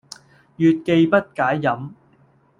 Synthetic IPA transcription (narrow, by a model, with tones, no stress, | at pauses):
jyː˨t̚ke˧jpɐ˥t̚kaː˨˥jːɐ˨˥m